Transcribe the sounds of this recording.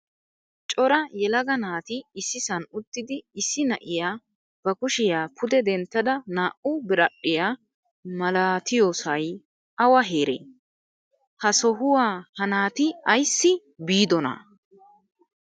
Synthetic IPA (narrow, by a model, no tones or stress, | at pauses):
t͡ʃʼɔɾɐjɛlɐɡɐnaːt̪ɪɪsːɪsɐnʊt̪ːɪd̪ɪɪsːɪnɐ̰ʔɪjaː | b̥ɐkʊʃɪjaːpʰʊd̪ɛd̪ɛnt̪ːɐd̪ɐnaːʔʊbɪɾɐɗːɪjaː | mɐlaːt̪ɪjoːsɐj | ʔɐwɐɦe̞ːɾḛː | hɐsɔɦʊwaːhɐnaːt̪ɪɐjsːɪ | biːd̪ɔnɐ̰